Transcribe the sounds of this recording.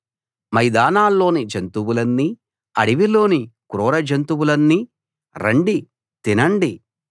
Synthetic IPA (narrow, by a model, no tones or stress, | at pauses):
mɐjd̪aːnaːlːo̞ːnid͡ʒent̪uwulɐnːi | ɐ̰ɽiʋilo̞ːnikuɾɔːɾɐd͡ʒɐnt̪uwulɐnːi | ɾɐɳɖi | t̪inɐɳɖi